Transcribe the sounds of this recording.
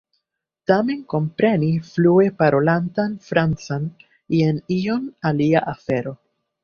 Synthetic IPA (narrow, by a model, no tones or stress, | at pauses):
tame̞nko̞mpɾe̞niflue̞paɾo̞lantanfɾant͡san | jenio̞naliaʔafe̞ɾo̞